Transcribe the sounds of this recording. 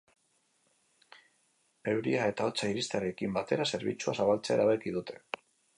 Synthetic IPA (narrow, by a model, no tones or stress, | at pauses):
e̞wɾiae̞t̪ao̞t͡saiɾist̪eaɾe̞kimbat̪e̞ɾase̞ɾβḭt͡suasaβalt͡se̞eɾaβ̞ekiðut̪ʰe̞̥